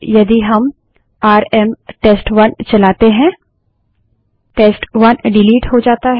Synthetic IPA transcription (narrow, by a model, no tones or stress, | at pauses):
jɐd̪iɦɐm | aːɾɛmʈeːsʈʋɐnt͡ʃɐlaːt̪eɦɛ̃ | ʈeːsʈʋɐnɖɪliːʈɦod͡ʒaːt̪aɦ